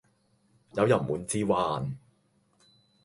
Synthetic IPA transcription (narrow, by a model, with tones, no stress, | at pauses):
jɐ˨˧wjɐ˨˩nmuː˨˧nt͡siː˥waː˧˥n